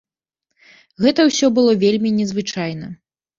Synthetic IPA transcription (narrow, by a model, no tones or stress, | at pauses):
ɣɛt̪ɐwsʲɔbɨlˠɔvʲelʲmʲinʲɛzvɨt͡ʂajn̪ɐ